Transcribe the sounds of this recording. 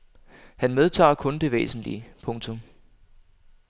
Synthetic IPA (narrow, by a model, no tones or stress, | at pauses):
hænmeð̞ˠt͡sʰɑ̰̈ːkʰɔ̽nd̥e̝ʋḛːsn̩lḭəpʰɔ̽ŋt͡sʰɔ̽m